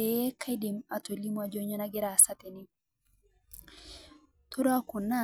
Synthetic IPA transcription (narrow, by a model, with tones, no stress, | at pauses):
e˨jɛ˦kʰa˦jdi˨ma˨to˨li˦mwa˨d͡ʒo˦ɲɔ˦na˦ɡi˦ɾa˨sa˦t̪ɛ˨ni˦ | t̪o˦ɾa˦ku˨nːa˦